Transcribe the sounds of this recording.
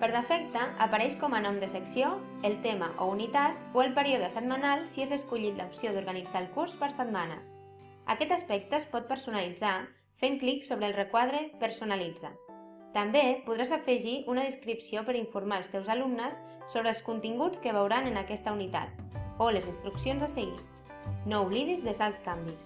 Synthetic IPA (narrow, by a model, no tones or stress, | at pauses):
pəɾðəfɛk̚t̪əːpaɾɛʃkɔmənɔmd̪əsəksio | əlˠt̪eməʔounit̪at̪oəlˠpəɾiuðəsəd̪̚manalˠsiezəskuʎit̪la̰upsioðuɾɣanid͡zaəlˠkuɾspəɾsəd̪̚manə̰s | a̰kɛt̪aspɛk̚t̪əespɔt̪̚pəɾsunalid͡za | feŋkliksoβɾəlˠrekwaðɾəpəɾsunalid͡za | t̪ambepuðɾazafəʒiʔunəðiskɾipsiopəɾiɱfuɾmaəlˠst̪ɛwzalumnəsː | oβɾəlˠskunt̪iŋɡut͡skəβ̞əwɾanənakɛst̪əunit̪a̰t̪̚oləzinst̪ɾuksionzasəɣḭ | nouβliðizðəzalˠskambis